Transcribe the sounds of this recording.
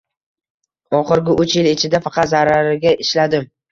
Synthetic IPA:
ɒχɪɾɡʲɪʔʊt͡ʃjɪlɪt͡ʃʰɪd̪afɑqʰɑt̪zaɾaɾɪɡʲaʔɪʃlad̪ɪm

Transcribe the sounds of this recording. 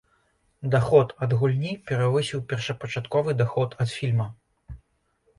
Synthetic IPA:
d̪axɔt̪ɐd̪ɣulʲnʲipʲɛɾavɨsʲiwpʲɛrʂɐpɐt͡ʂat̪kɔvɨd̪axɔt̪ʰɐt̪fʲilʲmɐ

